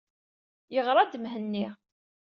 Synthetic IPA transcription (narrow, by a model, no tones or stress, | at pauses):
jəʁɾˤɑd̪əmɦənːi